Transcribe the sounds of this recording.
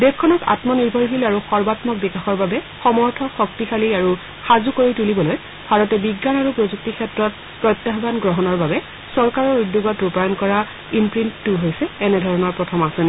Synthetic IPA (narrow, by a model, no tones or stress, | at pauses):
dekʰːɔnɔka̰tmɔniɹbʱɔɹɦilaɹuxɔɹbatmɔk̚bikaxɔɹbabɛxɔmɔɹtʰɔxɔktixaliaɹu | xazukoɹitulibɔloj | bʱaɹɔtɛbiɡːanaɹupɹozuk̚tikʰɛtɹɔt̚ | pɹɔjt̪ːaɦbanɡɹɔɦɔnɔɹbabɛ | sɔɹkaɹɔɹudːjuɡɔtupajɔnkɔɹa | impɹintːuɦojsɛɛnɛdʱɔɹɔnɔɹpɹɔtʰɔmasɔn